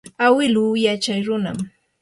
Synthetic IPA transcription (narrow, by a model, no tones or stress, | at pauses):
awɪlujat͡ʃajɾʊna̰m